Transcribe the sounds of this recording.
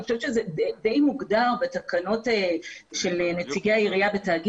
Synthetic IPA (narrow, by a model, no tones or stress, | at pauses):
χoʃevʃezeded̪ejmuɡdaʁbetakano̞teʃe̞lenet͡siɡeaiʁijabetaːɡi